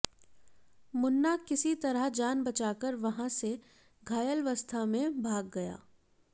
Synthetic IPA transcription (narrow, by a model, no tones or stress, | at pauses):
mʊnːakɪsit̪ɐɾəɦd͡ʒaːnbɐt͡ʃaːkəɾʋɐɦãse | ɡʱaːjəlʋɐst̪ʰamẽbʱaːɡːɐja̰ː